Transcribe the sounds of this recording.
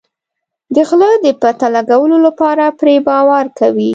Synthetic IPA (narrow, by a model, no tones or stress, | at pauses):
d̪əɣləd̪əpat̪alaɡawəlolapɑɾapɾebɑwaɾkawi